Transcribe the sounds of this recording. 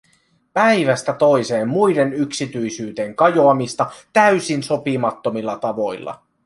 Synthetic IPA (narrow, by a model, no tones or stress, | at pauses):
pæjʋæst̪æt̪o̞jse̞ːmːujde̞nyksit̪yjsyːt̪e̞ŋkɑjo̞ɑmist̪ɑt̪æɥsinso̞pimɑt̪ːo̞milːɑt̪ɑʋo̞jlːɑ̰